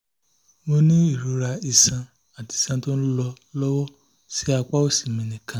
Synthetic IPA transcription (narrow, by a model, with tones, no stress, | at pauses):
mo˧nĩ˦i˦˨ɾu˨˦ɾa˧i˧sã˧ | a˨ti˨i˦˨sã˧˦to˦ñ̩˦lɔ˧ | lɔ˦wɔ˦ | si˦a˧k͡pa˦o˦˨si̥˨mĩ˨˧nĩ˨kʰã˨˦